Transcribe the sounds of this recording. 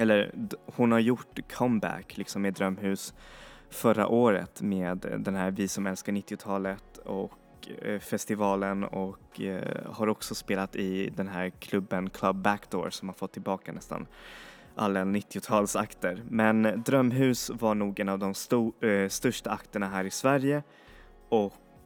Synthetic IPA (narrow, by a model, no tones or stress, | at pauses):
ɛlːəɾhʊnhaɾjʊʈːkʰɔmbæ̰kːlɪksɔmːɛd̪ɾœmːɦʉ̟ːs | fœɾːa̰ʔoːɾə̰t̪meːd̪d̪ɛnɦæːɾvɪsɔmɛlskaɳɪt̪ːɪʊt̪ʰɑːlət̪ɔk | fɛst̪ɪvɑːlənɔkː | haɾɔksɔspeːlat̪ɪd̪ɛnɦæːɾkʰlɵbːənkʰlabːækd̪ɔ̰ːɾsɔmhaɾfɔt̪ʰːɪlbɑːkanɛst̪a̰n | ʔa̰lːanɪt̪ːɪʊt̪ʰɑːlsakt̪əɾmɛnd̪ɾœmːɦʉ̟ːsvaɳuːɡɛnavd̪ɔmst̪ust̪ɵʂʈaakt̪əɳaɦæːɾɪsvæɾjə | ɔk